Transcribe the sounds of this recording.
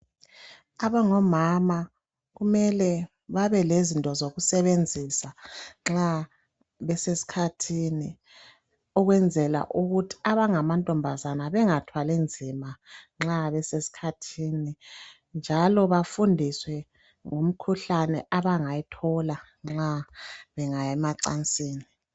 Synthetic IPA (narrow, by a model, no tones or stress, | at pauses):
aβaŋɔmama | ɣumɛlɛ | βaβɛlezintʼɔzoɣusɛβend͡zʱisaŋ͡ǁa | βɛsesi̥kʰatʰini | ɔɣwɛnd͡zʱɛla̰ʔuɣutʰi̥aβaŋamantʼɔmbʱazanaβɛŋatʰwalend͡zʱimaŋ͡ǁaβɛsesi̥kʰatʰiːni | nd͡ʒʱalɔβafundʱiswɛ | ŋum̩kʰuɬanɛʔaβaŋajɛtʰɔla | ŋ͡ǁaβɛŋajɛmaǀant͡sʼiːni